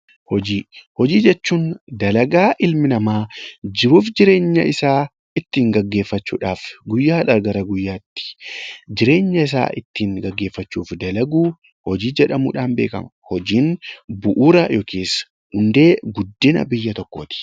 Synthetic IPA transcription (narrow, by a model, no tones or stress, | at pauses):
hɔd͡ʒiːhɔd͡ʒiːd͡ʒɛt͡ʃːuːnd̪ɐlɐɡaːʔɪlmɪnɐmaːd͡ʒɪbuːfd͡ʒɪɾe̞ːɲːɐ̰ʔɪsaː | ɪt̪ːiːŋɡɐɡːe̞ːfːɐt͡ʃːṵːᶑaːfɡʊjːaːᶑɐɾɡɐɾɐɡʊjːaːt̪ːɪ̥d͡ʒɪɾe̞ːɲːɐɪs̬a̰ːʔɪt̪ːiːŋɡɐɡːe̞ːfːɐt͡ʃːuːfd̪ɐlɐɡuː | hɔd͡ʒiːd͡ʒɛᶑɐmṵːᶑaːnbe̞ːkɐ̰mhɔd͡ʒiːnbʊʔuːɾɐjokʰeːsː | hʊnd̪e̞ːɡʊd̪ːɪnɐ̰bɪjːɐt̪ɔkːoːt̪ɪ̥